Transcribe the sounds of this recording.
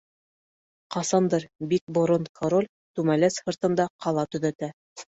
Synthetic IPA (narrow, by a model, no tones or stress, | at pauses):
qɑsɑnd̪ɤɾbik̚bŏɾont̪kʰoɾolʲ | t̪ʉmælæsfɤ̆ɾt̪ɤ̆nd̪ɑqɑlˠɑt̪ɵ̆ðæt̪æ